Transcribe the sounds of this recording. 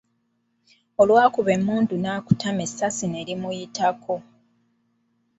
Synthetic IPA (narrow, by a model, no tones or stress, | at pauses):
o̞lwaːkuβe̞mːuːndunaːku̥tame̞sːasine̞ɾimujitʰako̞